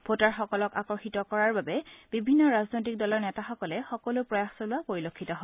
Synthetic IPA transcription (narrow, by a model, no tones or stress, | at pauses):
bʱotaɹxɔkɔlɔka̰kɔɹxitɔkɔɹaɹbabɛb̥ibʱinːɔɹaznojt̬ik̚dɔlɔɹnɛtaxɔkɔlɛxɔkɔlʊpɹɔjaxsolʊapoɹilokʰːitɔɦɔ